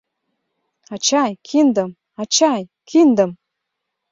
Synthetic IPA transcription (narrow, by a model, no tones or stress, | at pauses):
ɑt͡ɕɑjkʰind̪ə̆m | ɑt͡ɕɑjkʰind̪ə̆m